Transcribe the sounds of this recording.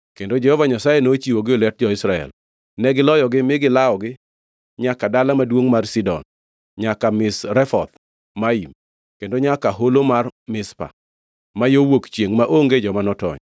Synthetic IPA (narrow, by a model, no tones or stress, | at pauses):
kendod͡ʒɛhɔvaɲasajenot͡ʃiwoɡɪolɛt̚d͡ʒɔɪsɾaɛ̰l | nɛɡɪlɔjɔɡɪmɪɡɪlaɔɡɪ | ɲakadalamadwoŋmarsidɔ̰n | ɲakamɪsɾɛfɔt̪ | maim | kendoɲakaɦolomarmɪspa̰ | majowokt͡ʃjeŋmaʔoŋɡed͡ʒɔmanɔtɔ̰ɲ